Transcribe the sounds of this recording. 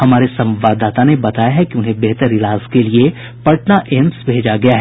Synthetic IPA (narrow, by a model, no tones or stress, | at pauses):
ɦɐmaːɾesɐ̃mʋaːd̪aːt̪anebɐt̪aːjaɦɛkiʊnɦẽbeɦt̪əɾɪlaːzkelie | pɐʈnaʔɪmsbʱeːd͡ʒaɡɐjaɦɛ